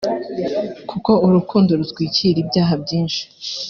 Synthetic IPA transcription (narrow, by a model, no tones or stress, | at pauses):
kʰuko̞uɾukʰuːndoɾutɡwiːciɾibɟaːɦab̚ɟiːnʃi̥